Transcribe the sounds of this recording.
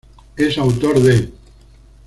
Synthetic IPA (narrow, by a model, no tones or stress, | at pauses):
esawt̪oɾðe